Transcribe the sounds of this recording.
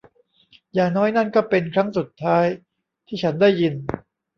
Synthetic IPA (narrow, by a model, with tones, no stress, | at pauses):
jaː˨˩ŋnɔː˦˥jna˥˩nkɔː˥˩pe˧nkʰɾa˦˥ŋsu˨˩t̪ʰːaː˦˥j | t̪ʰiː˥˩t͡ɕʰa˦˥nda˥˩jːi˧n